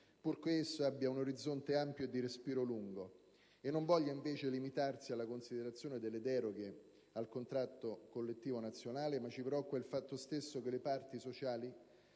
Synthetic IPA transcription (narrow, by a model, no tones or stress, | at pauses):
purkeesːoabːjaunoɾid̪zːont̪eampjod̪iɾespiːɾoluŋɡo | enːoɱvɔʎːaiɱveːt͡ʃelimit̪arsialːakonsid̪eɾat̪sːjoːned̪elːed̪ɛːɾoɡe | alkont̪ɾat̪ːokolːet̪ːiːvonat̪sːjonaːlemat͡ʃːipɾɔkːwailfat̪ːost̪esːokelepart̪isot͡ʃaːli